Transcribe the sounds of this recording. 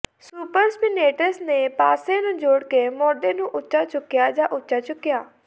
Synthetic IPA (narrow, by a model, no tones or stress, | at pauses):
suːpəɾspɪneːʈəsneːpaːsẽːnũːd͡ʒoːɽkeːmoːɖeːnũːʔʊtːʃaːt͡ʃʊkːɪjaːd͡ʒãːʔʊtːʃaːt͡ʃʊkːɪjaː